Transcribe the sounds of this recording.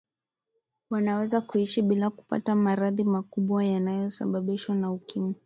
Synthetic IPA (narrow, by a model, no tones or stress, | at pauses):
wanawɛzakuiʃiɓilaku̥pa̰tamaɾaðimakuɓwajanajɔsa̰ɓaɓiʃwanaukimi